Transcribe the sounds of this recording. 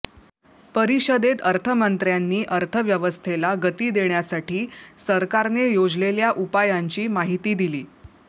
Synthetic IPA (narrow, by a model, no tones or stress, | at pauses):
pəɾiɕəd̪et̪əɾt̪ʰəmənt̪ɾjanːiːʔəɾt̪ʰəʋjəʋəst̪ʰelaɡət̪iːd̪eɳjasaʈiːsəɾkaɾnejod͡zleljaʔupajaɲt͡ɕiːmaɦit̪iːd̪iliː